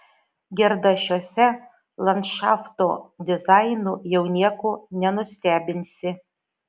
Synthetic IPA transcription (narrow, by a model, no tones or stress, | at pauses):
ɡʲɛɾd̪ɐʃʲoːsʲɛ | lˠɐntʃɑːft̪od̪ʲɪzɑjnuːjɛwnʲiɛkonʲɛnʊsʲt̪ʲæːbʲɪnʲsʲɪ